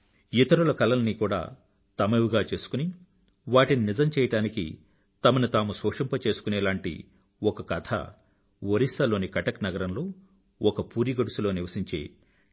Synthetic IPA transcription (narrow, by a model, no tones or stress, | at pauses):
it̪ɐɾulɐkɐlɐnnikuːɽa̰ː | t̪ɐmeʋuɡaːt͡ʃe̞ːsu̥kuni | ʋaːʈininizɐmt͡ʃɛːjɐʈaːnikḭ | t̪ɐmɐnut̪aːmusoːʂɐmpɐt͡ʃe̞ːsu̥kunɛːlaːɳʈḭ | ɔkɐkɐt̪ʰɐ̰ | ʋoɾisɐlo̞ːnikɐʈɐknɐɡɐɾɐmlo̞ː | ɔkɐpuːɾiɡɐɽusulo̞ːniʋɐsiɲt͡ʃḛː